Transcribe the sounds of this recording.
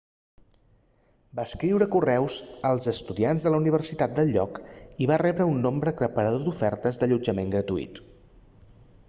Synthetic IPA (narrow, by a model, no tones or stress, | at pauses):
baəskɾiwɾəkurɛwzəlˠzəst̪uðianzðələuniβ̞ərsit̪at̪̚d̪əlʎːɔkiβarɛβɾəunːombɾəkɾəpəɾəðoðufɛɾt̪əzðəʎud͡ʒəmeŋɡɾət̪uḭt̪